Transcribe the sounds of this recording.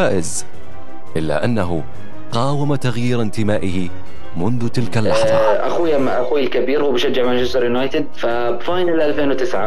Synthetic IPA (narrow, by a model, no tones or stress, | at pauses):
aːʔɪz | ʔɪlːa̰ʔanːaɦʊ | qɑːwamat̪aɣjiːɾnt̪ɪmaːʔɪhɪ | mʊnðʊt̪ɪlkalːaħðˤɑ̰ʔa̰xuːjamaʔaxuːjɪlkabiːɾhuːbɪʃad͡ʒːaʕmant͡ʃɪst̪ɑɾˤjʊnaːjt̪ɪd̪̚fa | bfaːjnalʔalfeːnwt̪ɪsʕa